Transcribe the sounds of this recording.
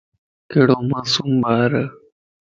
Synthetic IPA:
keɽomasumbaːɾə

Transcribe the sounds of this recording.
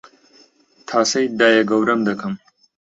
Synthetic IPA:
t̪ʰaːsɐjd̪aːjɐɡɐwɾɐmd̪ɐkʰɐm

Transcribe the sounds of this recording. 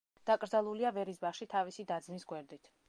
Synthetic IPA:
d̪̥akʼɾd̪zalˠuliavɛɾisbaχʃit̪ʰavisid̪ad̪zmisɡwɛɾd̪it̪ʰ

